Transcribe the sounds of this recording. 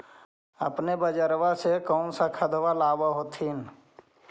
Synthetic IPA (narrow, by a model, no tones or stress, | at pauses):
ə̰pnebəd͡ʒəɾwasekɔːnsakʰəd̪ʋalaːwaɦot̪ʰiːn